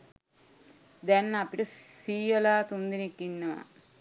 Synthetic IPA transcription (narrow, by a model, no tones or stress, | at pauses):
d̪ɛnːɐpiʈəsiːjɐlaːt̪und̪inekːinːɐʋa̰